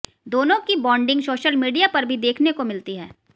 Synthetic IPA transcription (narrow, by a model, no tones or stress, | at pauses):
d̪oːnõkibɔ̃ːɳɖɪ̃ŋɡsoːʃəlmiːɖijapɐɾbʱid̪eːkʰnekomɪlt̪iɦɛː